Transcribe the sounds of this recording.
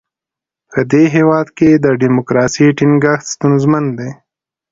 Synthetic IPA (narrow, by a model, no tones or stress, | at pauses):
pəd̪eɦewɑd̪ked̪əɖimokɾɑsiʈiŋɡaxt̪st̪unzmand̪e